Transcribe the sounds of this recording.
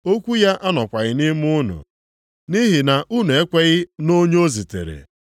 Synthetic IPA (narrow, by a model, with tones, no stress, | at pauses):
o˦kʷu˦ja˦ʔa˦nɔ˨kʷa˨ɣɪ˦nɪ˦mʊ˦nʊ̰˨ | ni˦ɦi˨na˨ʔu˦nu˨e˦kʷe˦ɣɪ˦no˦ɲ˦o˦zi˨tḛ˨ɾḛ˨